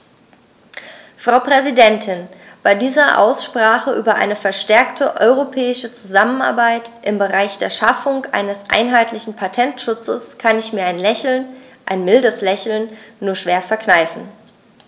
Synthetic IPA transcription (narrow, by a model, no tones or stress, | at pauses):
fʁ̥aʊpʁ̥ɛzidɛntʰɪn | b̥aɪdiːzɐʔa̰ʊsʃpʁ̥aːχəʔyːbɐʔa̰ɪnəfɛɐʃtɛɐktʰəʔɔʏʁ̞opʰɛːɪʃət͡suzaməna̰ɐbaɪtʔɪmbəʁaɪçd̥eːɐʃafʊŋʔa̰ɪnəsʔa̰ɪnɦaɪtlɪçn̩pʰatʰɛntʃʊt͡səskʰanɪçmiːɐaɪnlɛçl̩nʔaɪnmɪldəslɛçl̩nːuːɐʃv̥eːɐfɛɐknaɪfn̩